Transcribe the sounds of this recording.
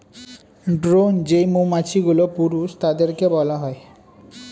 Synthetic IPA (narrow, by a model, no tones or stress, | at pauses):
ɖɾond͡ʑejmumat͡ɕʰiɡulopuɾuʃt̪ad̪eɾkebɔlaɦɔe